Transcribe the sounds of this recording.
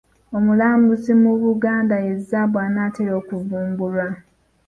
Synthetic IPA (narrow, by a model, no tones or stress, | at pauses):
o̞mulaːmbusimuβuɡaːndajezːaβwaːnatelo̞ːkuvuːmbulwa